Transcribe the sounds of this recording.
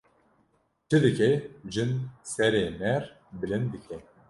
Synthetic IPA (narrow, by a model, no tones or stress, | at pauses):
t͡ʃʰɨd̪ɨkɛʒɨnsɛɾeːmɛɾ | bɨlɨnd̪ɨkʰɛ